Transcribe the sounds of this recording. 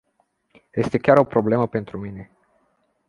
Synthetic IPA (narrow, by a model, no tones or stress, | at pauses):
je̞st̪e̞kʲaɾo̞pɾo̞ble̞məpe̞nt̪ɾumine̞